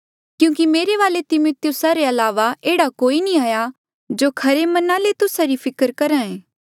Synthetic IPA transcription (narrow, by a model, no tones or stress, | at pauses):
kjũːkimeːɾeʋaːlet̪ɪmoːt̪ɪjʊsaɾeɐlaːʋaeːɽakoːinĩaːja | d͡ʒoːkʰɐɾemɐnãlet̪ʊsaɾipʰɪkəɾkɐɾãẽː